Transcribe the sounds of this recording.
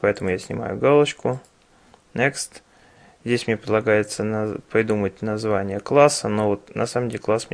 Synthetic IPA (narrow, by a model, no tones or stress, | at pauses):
pɐɛt̪əmʊjasʲnʲɪ̰ma̰jʊ̰ɡalˠəɕkʊ | nʲekst̪ | zʲdʲesʲmnʲepɾʲɪdlˠɐɡajɪt̪sənpɾʲɪd̪umət̚ʲnɐzvanʲɪjəklˠasənovot̪nɐ̰saməmdʲelʲklˠasmʲ